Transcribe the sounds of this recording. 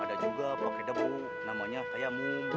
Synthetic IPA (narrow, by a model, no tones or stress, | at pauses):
adad͡ʒuɡapakadəbu | namaɲafajamun